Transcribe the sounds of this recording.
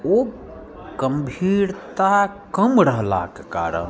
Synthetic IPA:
o | ɡ̥əmbʱiɾt̪akəmɾəɦla̰keka̰ːɾə̰n

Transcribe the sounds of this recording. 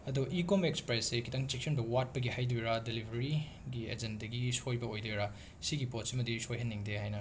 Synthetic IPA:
ɐduʔikomekspɾajsekʰitɐŋt͡ʃik̚sʰɐnbɐwat̚pɐɡihajdujɾadelibʱɾɐɾi | ɡiḛd͡ʒendɐɡisojbɐojdujɾa | siɡipotsimɐdisojɦɐnːiŋdehajnɐ

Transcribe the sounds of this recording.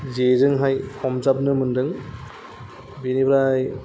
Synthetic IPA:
zezɯŋɦajkʰɔmzap̚nɯmɯndɯŋ | binibɾaj

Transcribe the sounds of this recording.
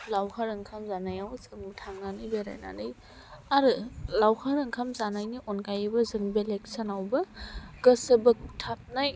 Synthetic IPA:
lawhʰaɾɯŋkʰamzanajawzɯŋbtʰaŋnanɯjbeɾa̰jna̰nɯj | aɾɯlawhʰaɾɯŋkʰamzanajniʔɔnkajɯbɐzɯŋbelek̚sanawbɐɡɐsɯbɯk̚tʰap̚naj

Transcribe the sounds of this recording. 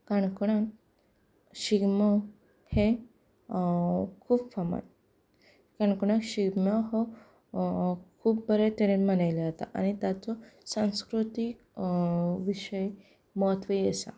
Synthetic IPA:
kaɳkuɽ̃a | ɕiɡmɔ | he | kʰuːbfama̰n | kaɳkuɽ̃aɕiɡmaɦɔ | kʰuːp̚bʱəɾet̪eɾemənajlat̪a̰ʔa̰nit̪jat͡sɔsãw̃skɾut̪ik | ʋiɕəj | mɔɦət̪ʋəjesa̰

